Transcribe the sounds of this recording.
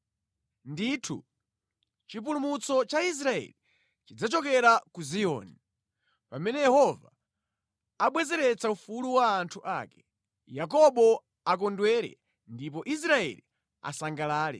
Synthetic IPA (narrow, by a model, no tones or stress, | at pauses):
nditʰṵ | t͡ʃip̬ulumut͡sɔt͡ʃais̬ɾaɛ̰li | t͡ʃid͡zat͡ʃɔkɛɾakuziɔ̰ːni | pamɛnɛjɛhɔva̰ | aɓwɛzɛɾɛt͡saufuluwaːntʰuʔa̰kɛ̥ | jak̬ɔɓɔ | ak̬ɔndwɛɾɛ̰ | ndipɔʔis̬ɾaɛ̰li | a̰saŋɡalaːlɛ̰